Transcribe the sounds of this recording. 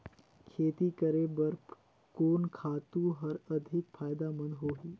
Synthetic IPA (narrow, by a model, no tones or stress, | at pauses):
kʰeːt̪ikəɾebɐɾ | koːnkʰaːt̪ũɦɐɾɐd̪ʱɪkfʰaːjd̪amə̃nd̪ɦoːɦiː